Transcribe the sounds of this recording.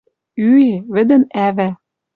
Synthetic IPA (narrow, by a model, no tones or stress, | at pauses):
yeβɘ̆d̪ɘ̆nævæ